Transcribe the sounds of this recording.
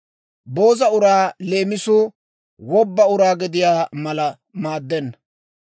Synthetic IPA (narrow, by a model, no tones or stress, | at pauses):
bo̞ːzɐʊɾaːle̞ːmɪsʊ | wɔbːɐʊɾaːɡɪd̪ɪjaːmɐlɐ | maːd̪ːɛnːɐ